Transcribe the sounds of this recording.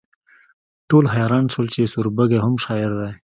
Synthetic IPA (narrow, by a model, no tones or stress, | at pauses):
ʈolɦajɑɾɑnsolt͡ʃesuɾbəɡeɦʊmʃɑɪɾd̪aj